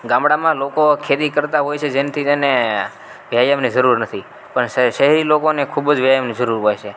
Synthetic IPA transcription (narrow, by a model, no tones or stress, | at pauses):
ɡãmbɽamãlokokʰet̪ikəɾt̪aɦojt͡ʃʰed͡ʒent̪ʰiene | ʋjajəmnid͡ʒəɾuɾnət̪ʰi | pəɳʃəɦɛɾilokonekʰubd͡ʒʋjajəmnid͡ʒəɾuɾɦojt͡ʃʰe